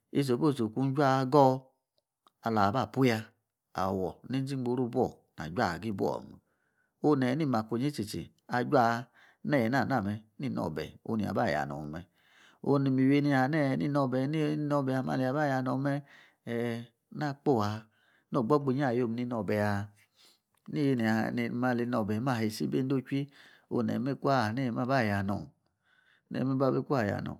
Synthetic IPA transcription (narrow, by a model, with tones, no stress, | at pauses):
i˦s̬o˨bo˦˨so˨ku˧n˦d͡ʒʷa˦˧˦ɡɔ˦ | a˧la˨ba˦˨pu˦ja˧ | a̰˨wɔ˨ne˦d͡ʒi˦ŋ͡mɡ͡bo˧˦ɾo˦bɔ̰˦˨ | na̰˨d͡ʒʷa˦˨ɡi˦bɔ̰˦˨mu˨ | o˧nɛ˨ni˦˨ma˨ko˨ɲe˦t͡ʃe˨t͡ʃḛ˨ | a˧d͡ʒʷa˦˨˧ | nɛ˦˨n˦a˦˨na˦˨mɛ˧ni˦˨nɔ̰˨bɛ̰˨o̰˧˨ni˨a̰˨ba˦˨ja̰˨nɔ̰˨u˨mɛ˧ | o̰˧ni˧˨mi˨we˧˦ni˧a˧˨nɛ˦˨nḭ˦nɔ˧bɛ˨˦ni˦i˧˦nɔ˧˨bɛ˧˨a˧ma̰˧˨le˧˨a˨ba˦˨ja˧˨nɔ˨˧mɛ˧˨ | na˦˨k͡po˦˨a˨˧ | no˦˨ɡ͡bɔ˦ɡ͡be˧˨ɲ˦a˦˨jo˧˨m˨ni˧˦nɔ˧˨bɛ˨a˧˦ | ni˦˧˦n˨a˨˧˨ma˧˨le˧˦nɔ˧˨bɛ˨˦ma˦˨he˨˧˨si˦be˦n˦do˦t͡ʃʷi˦ | o̰˧nɛ̰˨me˦ku˦a˦˨nɛ˦˨ma˦ba˦˨ja˨nɔ̰˨ | nɛ̰˨˦ma˦ba˦be˦ku˦a˦˨ja̰˨nɔ̰˨